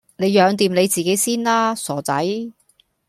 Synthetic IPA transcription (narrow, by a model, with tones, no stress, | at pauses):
ne˨˧jjœː˨˧ŋt̪iː˨mne˨˧jt͡siː˨ke˨˥jsiː˥nlaː˥sɔː˨˩t͡sɐ̰˨˥j